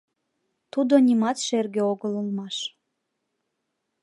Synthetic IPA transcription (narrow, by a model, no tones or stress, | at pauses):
t̪ud̪onʲimɑt̪ʃerɡeoɣələlmɑʃ